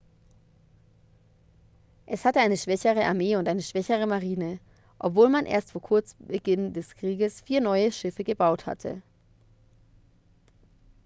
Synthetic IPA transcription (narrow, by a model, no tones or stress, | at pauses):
ʔɛshatəaɪnəʃv̥ɛçəʁəʔa̰ɐmeːʊntʔaɪnəʃv̥ɛçəʁ̞əmaʁiːnə | ʔɔpv̥oːlmanʔḛːɐstfoːɐkʰʊɐt͡sbəɡɪndɛskʁ̥iːɡəsfiːɐnɔʏəʃɪfəɡəbaʊtha̰tʰə̰